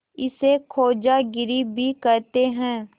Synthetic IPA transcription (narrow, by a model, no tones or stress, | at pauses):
ɪsekʰoːd͡ʒaɡɪɾibʱikɐɾt̪eɦɛ̃ː